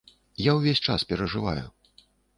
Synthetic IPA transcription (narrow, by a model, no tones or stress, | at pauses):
jawvʲesʲt͡ʂa̰spʲɛɾɐʐɨva̰jṵ